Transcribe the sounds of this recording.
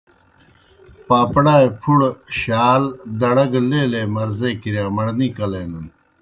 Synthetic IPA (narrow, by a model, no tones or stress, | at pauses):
paːpɽaːepʰuɽɕaːld̪ɐɽɐɡleːleːmɐɾzeːkiɾjaːmɐɽnikɐleːnɐn